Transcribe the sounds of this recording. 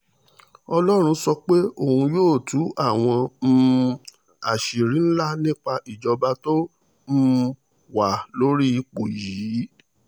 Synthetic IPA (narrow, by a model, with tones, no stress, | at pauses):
ɔ˧lɔ˦ɾ̃ũ˧sɔ˧k͡pe˦o˦˨hũ˧joː˦˨tu˨˦a˦˨w̃ɔ̃˧m̩˧ | a̰˨ʃi˨ɾĩ˨˦n̩˦la˦nĩ˦k͡pa˧ʔi˨d͡ʒɔ˧ba˧to˦ | m̩˦ | wa˨lo˦ɾi˦i˧k͡po˨jiː˨˦